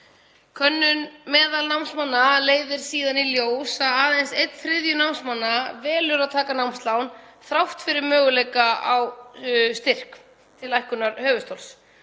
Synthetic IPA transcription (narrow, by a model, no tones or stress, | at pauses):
kʰœnːʏnmɛːðalnawmsmanːaleːjðɪɾ̥siːðaniljoːwsaaːðejnsejt̪θɾɪðjʏnawmsmanːavɛːlʏɾaðt̪ʰaːkanawmst̪lawnθɾawht̪fɪɾɪɾmœːɣʏlejkaawst̪ɪr̥k | t̪ʰɪlajhkʏnaɾhœːvʏst̪owls